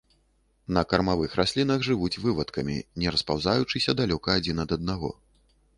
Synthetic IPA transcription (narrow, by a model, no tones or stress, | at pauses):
nɐkɐrmavɨxɾʔasʲlʲinɐɣʐɨvut͡sʲvɨvɐt̪kɐmʲḭnʲɛɾɐspawzajut͡ʂɨsʲɐd̪alʲɔkɐːd͡zʲinɐd̪ɐd̪̚naɣɔ̰